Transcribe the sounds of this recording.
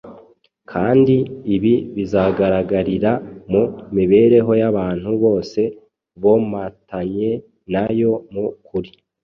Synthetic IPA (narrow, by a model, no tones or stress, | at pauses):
kʰaːndiːβiβizaɡaɾaɡaɾiɾamumiβe̞ɾe̞ɦo̞jaβaːn̥huβo̞ːse̞ | βomatʰaɲe̞ | najo̞mukʰuɾi